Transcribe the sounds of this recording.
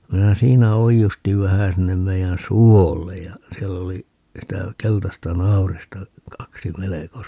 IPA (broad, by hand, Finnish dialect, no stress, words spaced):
minæ siːnæ oijustiʋ ʋæhæ sinːem meijæn suolːej jɑ siɛlː oli sitæ keltɑstɑ nɑu̞ristɑ kɑksi meleko